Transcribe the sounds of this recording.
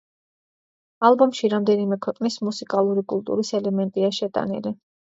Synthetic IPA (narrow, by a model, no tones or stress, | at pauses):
alˠbɔmʃiɾamd̪ɛnimɛkʰwɛqʼnismusikʼalˠuɾikʼulˠt̪ʼṵɾisɛlɛmɛnt̪ʼiaʃɛt̪ʼa̰nḭli